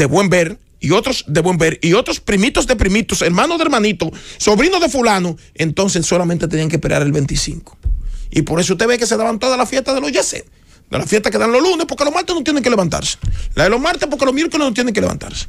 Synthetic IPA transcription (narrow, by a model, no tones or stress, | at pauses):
d̪eβwe̞mbeɾ | io̞t̪ɾosd̪eβwe̞mbeɾio̞t̪ɾospɾimit̪ozðepɾimit̪oseɾmanoðeɾmanit̪oso̞βɾinoðe̞fulano | ent̪ons̬e̞sːo̞lamẽnt̪eeniaŋkepeɾea̰ɾelβe̞nt̪isḭŋko̥ḭpo̞ɾe̞s̬oust̪e̞βeke̞seðaβant̪oðalafjest̪aðelo̞zʝesḛt | d̪elafjest̪akeðanlolunespoɾkelomaɾt̪enot̪jeneŋkeleant̪a̰ɾse̥laelozmaɾt̪ep̬oɾkelomjeɾkolenot̪jeneŋkelea̰nt̪a̰ɾse̥